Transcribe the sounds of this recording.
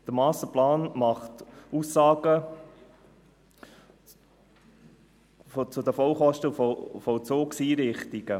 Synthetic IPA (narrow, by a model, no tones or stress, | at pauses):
d̥əɾmɑːsəplɑːnmɑχtuːsːɑːɡə | fɔt͡sʊd̪əfɔwχɔʃtəfɔfɔt͡soːksiːɾɪχtiɡ̥ə